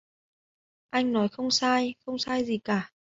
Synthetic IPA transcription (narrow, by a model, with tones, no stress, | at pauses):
ʔa˧jŋ̟nɔ˨˦jxə˧wŋ͡msaː˧jxə˧wŋ͡msaː˧jzi˨˩kaː˧˩